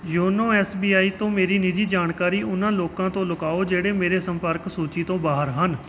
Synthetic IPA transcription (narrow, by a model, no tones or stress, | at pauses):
joːnõːɛːsbiːaːiːt̪õːmeːɾiːnɪd͡ʒiːd͡ʒaːɳkaːɾiːʔʊnãːloːkãːt̪õːlʊkaːod͡ʒeːɽeːmeːɾeːsə̃mpəɾksuːt͡ʃiːt̪õːbaːɦəɾɦən